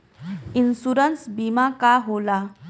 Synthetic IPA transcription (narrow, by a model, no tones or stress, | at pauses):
insuɾənsbimakaɦola